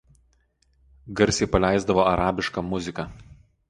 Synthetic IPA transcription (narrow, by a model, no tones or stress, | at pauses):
ɡɐɾʲsʲeɪpɐlʲæˑɪzd̪ɐʋoːɐɾɑːbʲɪʃkɐmʊzʲɪkɐˑ